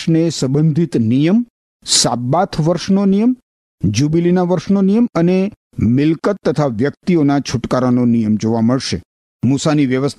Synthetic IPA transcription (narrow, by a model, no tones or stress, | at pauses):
nesə̃bənd̪ʱit̪nijəm | sabːat̪ʰʋəɾʃnonijəm | d͡ʒubilinaʋəɾʃnonijəməne | mɪlkət̪ːət̪ʰaʋjək̚t̪ionat͡ʃʰuʈkaɾanonijəmd͡ʒoʋaməɭʃe | musaniʋjəʋəst̪ʰ